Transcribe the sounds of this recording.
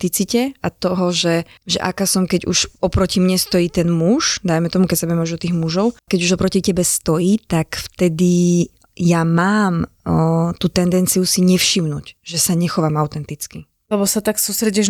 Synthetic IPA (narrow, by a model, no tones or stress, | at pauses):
t̪it͡sicɛat̪ɔɦɔʒɛʒɛ̰ʔa̰kasɔmkɛɟṵʃɔpɾɔcimɲɛst̪ɔjiːt̪ɛnmuʃd̪ajmɛt̪ɔmukɛcsabɛɛmuʒɔt̪iːɣmuʒɔʊkɛɟuʒɔpɾɔcicɛbɛst̪ɔjiːt̪akft̪ɛd̪i | jamaːm | t̪uːt̪ɛnd̪ɛnt͡sijusiɲɛfʃimnṵːɟʒɛsaɲɛxɔʋamaʊt̪ɛnt̪it͡ski | lɛbɔsat̪aksuːst̪ɾɛɟɛʒ